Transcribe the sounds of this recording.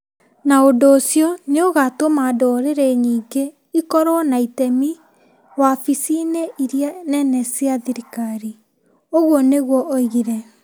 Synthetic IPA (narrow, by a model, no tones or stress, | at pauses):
naondoːsjɔneoɣatomadɔɾeɾɛɲiːɡe | ikɔɾɔnaitɛmi | wafisineʔiɾjanɛnɛsiaðiɾikaɾi | oɣwɔneɣwɔʔoiɣiɾɛ